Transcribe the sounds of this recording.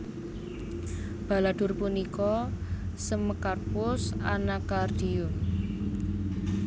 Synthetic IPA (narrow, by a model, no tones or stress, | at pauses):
b̥a̤lad̪̥ʊ̤rpunikɔsəməkarpʊsa̰nakard̪̥iʊm